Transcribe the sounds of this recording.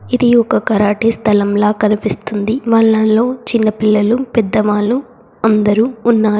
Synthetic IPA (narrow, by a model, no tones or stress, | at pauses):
id̪iɔkɐkɐɾaːʈiːst̪ʰɐlɐmlaːkɐnipist̪und̪iʋaːɭːɐnlo̞ːt͡ʃinːɐpilːɐlupɛd̪ːɐʋaːlu | ɐnd̪ɐɾuːnːaːɾu